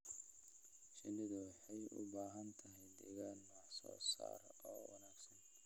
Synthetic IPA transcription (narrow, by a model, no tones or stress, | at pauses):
ʃɪnɪðʊwɑħɑjʔʊ̰baːɦɐnt̪ʰɐɦɛjd̪ɛɣaːnːɔħsɔ̰ːsa̰ːɾɔːwɑnaːɡsɐn